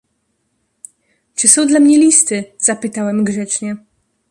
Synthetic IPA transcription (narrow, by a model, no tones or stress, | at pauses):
t͡ʂɘsɔ̃w̃d̪lamɲɛlʲist̪ɘz̥apɘt̪awɛmɡʐɛt͡ʂɲɛ